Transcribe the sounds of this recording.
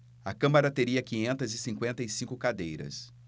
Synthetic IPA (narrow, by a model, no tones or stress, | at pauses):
ɐkɐ̃mɐɾɐt̪eɾiɐkĩɲẽnt̪ɐzɪsĩŋkwẽnt̪ɐɪsĩŋkʊkad̪ejɾɐ̰s